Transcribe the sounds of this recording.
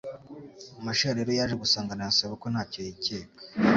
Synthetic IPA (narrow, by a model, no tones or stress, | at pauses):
amaʃaaɾeɾo̞jaːʒe̞ɡusaːŋɡanajasaβako̞nhaːcojiceːkḁ